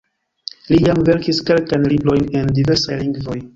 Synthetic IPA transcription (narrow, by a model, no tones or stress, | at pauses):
lijamve̞ɾkiske̞lkajnlibɾo̞jne̞ndive̞ɾsajliŋɡvo̞j